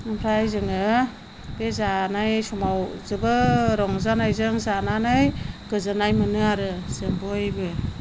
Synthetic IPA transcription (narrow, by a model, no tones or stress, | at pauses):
ɯmpʰɾajzɯŋɯ | b̥ezanajsumawzɯbɯɾɔŋzanajzɯŋzananajɡ̥ɯzɯnajmɯnɯaɾɯz̥ɯmbɯjbɯ